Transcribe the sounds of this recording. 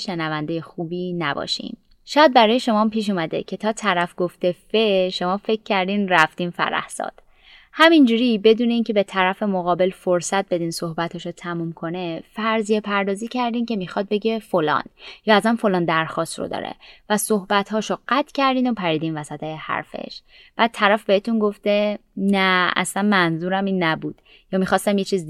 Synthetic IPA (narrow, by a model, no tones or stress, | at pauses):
ʃenævænd̪ejexuːbiːnæbɒ̰ːʃḭm | ʃɒːjæd̪̚bæɾɒːje̞ʃo̞mɒːmpiːʃ̬umæd̪e̞̰cʰet̪ʰɒːt̪ʰæɾæfɡoft̪efeʃo̞mɒːfe̞cʲʰːæɾd̪iːnræft̪iːnfæ̰ɾæ̰hsɒ̰ːd̪̥ | hæmind͡ʒuɾibe̞d̪uːne̞iːncʰe̞be̞t̪ʰæɾæfe̞moɣɒːbe̞lfoɾsæt̪̚be̞d̪iːnso̞hbæt̪hɒːʃot̪ʰæmumkʰo̞nefæɾzijepʰæɾd̪ɒːziːcʰæɾd̪iːncʰe̞mixɒd̪̚be̞ɟefolɒ̰ːnjɒːæzæmfo̞lɒːnd̪æɾxɒːst̪ro̰d̪ɒ̰ːɾḛvæsohbæt̪hɒːʃoɢ̥æt̪ʰcʰæɾd̪iːnopʰæɾiːd̪iːnvæsæt̪ʰehæ̰ɾfḛʃ | b̥æːd̪̚t̪ʰæɾæfbe̞het̪unɡo̞ft̪e̞nææ̰slænmænzuːɾæmiːnːæbuːd̪̥ | jɒːmixɒːst̪æmjet͡ʃʰiːz